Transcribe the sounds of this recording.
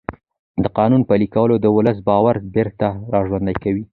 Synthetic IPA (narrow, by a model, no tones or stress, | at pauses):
d̪əqɑnunpəlikawəlod̪əwʊləs̬bɑwaɾbeɾt̪aɾɑʒwand̪ajkawi